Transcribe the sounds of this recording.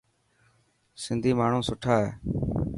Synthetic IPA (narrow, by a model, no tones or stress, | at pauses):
sɪnd̪ʱiːmaːɳ̤ũːsʊʈʰaːɦḛː